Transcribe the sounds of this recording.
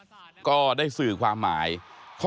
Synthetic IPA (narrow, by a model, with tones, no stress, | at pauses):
kɔː˥˩daː˥˩jsɯː˨˩kʰwaː˧mːa̰ː˩˦jpʰ